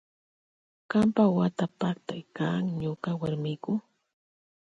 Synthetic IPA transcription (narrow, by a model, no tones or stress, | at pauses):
kampawat̪apak̚t̪ajkaːŋɲoqawaɾmɪkʊ